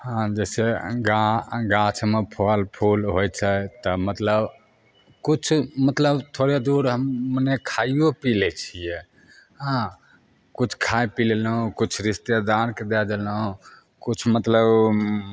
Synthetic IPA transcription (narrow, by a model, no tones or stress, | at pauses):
hãd͡ʒɛseɡaɡãt͡ʃʰmepʰolpʰulɦojt͡ʃʰət̪ɔmət̪ləb | kut͡ʃʰmət̪ləbt̪ʰoɾed̪uɾɦəmːənekʰaijopilɛt͡ʃʰijɛ | ɦã | kut͡ʃʰkʰajpilelɦũkut͡ʃʰɾist̪ed̪aɾked̪ɛd̪elɦũ | kut͡ʃʰmət̪ləb